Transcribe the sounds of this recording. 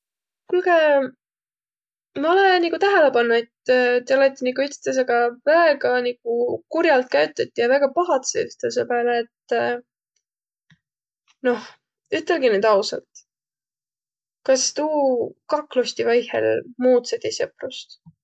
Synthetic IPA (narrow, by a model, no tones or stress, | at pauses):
kulɡe | mɑolenikut̪æɦele̞pɑnːuet̪ːt̪eɑlet̪ːˑinikuyt̪st̪es̬ɑɡ̥ɑvæeɡɑniɡukuɾjɑlt̪̚kæyt̪ːˑɑt̪ʲːijɑvæɡ̥ɑpɑɦɑt̪sḛyst̪els̬epeːleːt̪ː | no̞h | yt̪ːˑe̞lɡ̥ineːd̪ɑwsɑ̰lt̪ | kɑst̪uːkɑkːlost̪ivɑjhḛlmuːt̪set̪ejsɤpːˑrust̪